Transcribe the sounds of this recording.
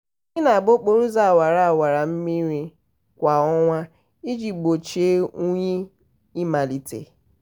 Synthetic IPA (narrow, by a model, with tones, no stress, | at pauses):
ɪ˦na˨a˨bo˦k͡po˦ɾu˦za˨wa˨ɾa˦a˨wa˨ɾa˨m̩˦mi˦ɾi˦ | kʷa˨ɔ˦ŋʷa˦ | i˦d͡ʒi˨p̚k͡po˨t͡ʃe˦u˦ɲe˦ | i˦ma˨li˨tḛ˨